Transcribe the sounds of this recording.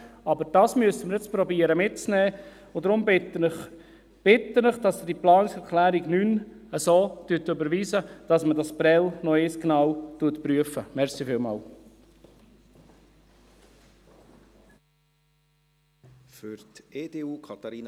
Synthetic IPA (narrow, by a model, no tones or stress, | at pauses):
ɑbəɾd̥ɑsmyəsəmɪɾjɛt͡spɾɔbiəɾəmɪt̚t͡snɛː | ʊdɾʊmb | b̥ɪt̪ːənəχd̥ɑsd̥iplɑːnɪksɛɾkʰlæːɾiɡnyn | əsoːtytøbəɾʋiːsəd̥ɑsmədɑsb̥ɾɛlnɔeːsknɑwtuətpɾyəfəmɛɾsifɪːlmɑ̰ːl | fʏɾteːd̥eːuːkʰɑt̪ɑɾiːn